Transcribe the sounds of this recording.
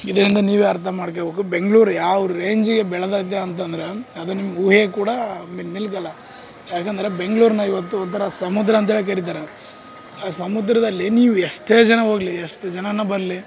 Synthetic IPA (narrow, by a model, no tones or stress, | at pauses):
id̪ɐɾind̪ɐniːʋeːɐɾt̪ʰɐmaːɽk̬ebeːkube̞ŋɡɭuːɾjaːʋɐɾuɾe̞ːɲd͡ʒiɡe̞bɛɭɐd̪aːid̪ːeɐnt̪̬ɐnd̪ɐɾeɐd̪unimːɐuːɦekuːɽɐmiːilk̬ɐlːɐ | jaːkɐnd̪ɐɾe̞be̞ŋɡɭuːɾnɐiʋɐt̪ːuɔnt̪ʰɐɾɐsɐmud̪ɾɐːnt̪ɐɦeɭikɐɾit̪̬aːɾe | aːsɐmud̪ɾɐd̪ɐlːiniːʋuɛʂʈe̞ːd͡ʒɐnɐɦo̞ːɡliɛʂʈd͡ʒɐnɐnːɐbɐɾɐli